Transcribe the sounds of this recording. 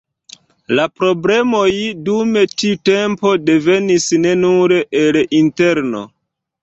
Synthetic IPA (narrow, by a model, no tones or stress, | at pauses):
lapɾo̞ble̞mo̞jdume̞tite̞mpo̞de̞ve̞nisne̞nuɾeʔelinte̞ɾno̞̰